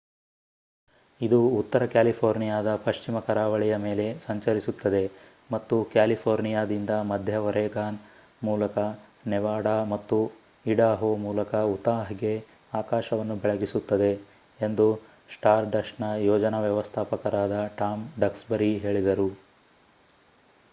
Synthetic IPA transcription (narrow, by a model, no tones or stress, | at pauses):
id̪uːt̪ːɐɾɐkjaːlipʰoːɾnijaːd̪ɐpɐʃt͡ʃimɐkɐɾaːʋɐɭijɐme̞ːle̞sɐɲt͡ʃɐɾisut̪ːɐd̪e̞ | mɐt̪ːukjaːlipʰoːɾnijaːd̪ind̪ɐmɐd̪ʱjɐʋɐɾɛːɡaːn | muːlɐkɐnɛʋaːɽamɐt̪ːu | iɽaːɦoːmuːlɐkɐut̪aːɦiɡe̞ | aːkaːʃɐʋɐnːubɛɭɐɡisut̪ːɐd̪e̞ː | nd̪u | sʈaːɾɖɐʂnɐjɔːd͡ʒɐnɐʋjɐʋɐst̪ʰaːpɐkɐɾaːd̪ɐʈaːmɖɐksbɐɾiɦe̞ːɭid̪ɐɾu